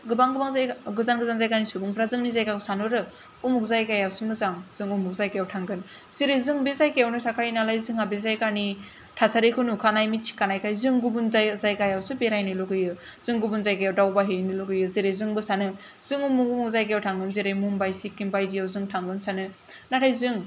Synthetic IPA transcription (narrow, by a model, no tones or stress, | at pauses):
ɡɯbaŋɡɯbaŋzaɡɯzanɡɯzanzajkanisubuŋpʰɾazɯŋnizajkasanɯɾɯ | umuk̚zajkajawsɯmɯzaŋz̥ɯŋumuk̚zajkajawtʰaŋɡɯn | z̥iɾɯzɯŋbezajkejawnɯtʰakajnalajzɯŋabezajkani | tʰasaɾekʰɯnukʰanajmit͡ʃʰi̥kanajkajzɯŋɡubunzazajkajawsɯbeɾajnɯloɡɯjɯ | z̥ɯŋɡubunzajkajawdawbaɦɯniluɡɯjɯzeɾejzɯŋbɯsanɯ | z̥ɯŋumuŋumuk̚zajkejawtʰaŋɡɯnzeɾajmumbajsikimbajdijawzɯŋtʰaŋɡɯnsʰanɯ | natʰajzɯŋ